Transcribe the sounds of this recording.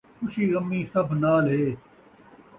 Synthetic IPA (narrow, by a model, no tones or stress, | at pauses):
kʊʃiːɣɐmːiːsɐbʱnaːlɦeː